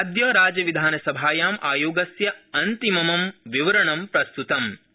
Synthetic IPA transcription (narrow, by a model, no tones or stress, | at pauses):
ɐd̪jɐːɾaːd͡ʒɐʋid̪ʱaːnɐsɐbʱaːjaːmʔaːjoːɡɐsjɐɐnt̪imɐmɐmʋiʋɐɾɐɳɐmpɾɐst̪ut̪ɐm